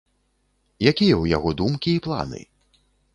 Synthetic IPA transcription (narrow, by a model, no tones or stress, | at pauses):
jakʲijɐwja̰ɣɔd̪umkʲiːplˠa̰nɨ̰